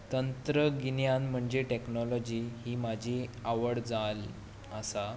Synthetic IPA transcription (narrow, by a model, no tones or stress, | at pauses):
t̪ənt̪ɾəɡinjanm̤əɳd͡ʑeʈeknɔlɔd͡ʑiːɦiːmad͡ʑʱiaʋəɽd͡zal | əsa